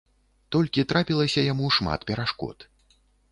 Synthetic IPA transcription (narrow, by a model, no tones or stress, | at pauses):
t̪ɔlʲkʲit̪ɾapʲilˠɐsʲɐjamuʂma̰t̪pʲɛɾaʂkɔ̰t̪